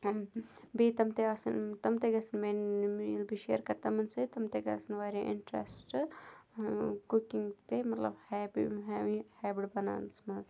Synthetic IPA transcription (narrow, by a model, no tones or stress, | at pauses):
bit̪ɐmt̪easɨ̰nt̪ɐmt̪eɡɐsɨnmenmilbʱiʃḛːɾkɐɾt̪amɐnsɨt̪ɐmt̪eɡɐ̰ːsɨnʋaːɾeʔɪ̰ɳʈɾḛsʈ | kukiŋɡt̪emɐt̪lɐ̰bhɛːbḭɦɛːʋihɛːbiɽbɐna̰ːnsmɐz